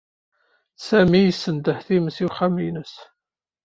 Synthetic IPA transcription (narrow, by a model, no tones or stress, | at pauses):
sæmijəsːənd̪əħθiməsiwχæminəs